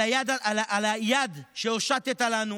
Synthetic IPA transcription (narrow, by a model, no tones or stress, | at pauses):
ajad̪aalaʔalajad̪ʃeoʃat̪et̪alanu